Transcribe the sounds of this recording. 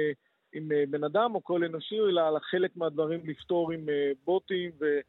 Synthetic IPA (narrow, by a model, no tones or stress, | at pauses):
imbe̞nad̪amo̞ko̞le̞no̞ʃielaːlaχe̞le̞kmead̪vaʁimlift̪o̞ʁimebo̞t̪imve̞